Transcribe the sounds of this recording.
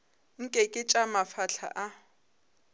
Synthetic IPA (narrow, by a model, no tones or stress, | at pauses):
ŋ̩kʼɛkʼɪt͡ʃʼamafaɬʰa̰ʔa